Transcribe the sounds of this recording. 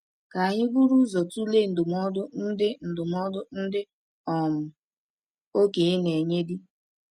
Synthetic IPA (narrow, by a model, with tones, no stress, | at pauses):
ka˨ɲɪ˦ɡ͡bu˦ɾu˦zɔ˨tu˦le˦˨n̩˨dʊ˨m˦ɔ˦dʊ˦n̩˦dɪ˦n̩˨dʊ˨m˦ɔ˦dʊ˦n̩˦dɪ˦ | ɔ˨mʊ˨ | o˦ke˨e˦ne˨ɲe˦dɪ˦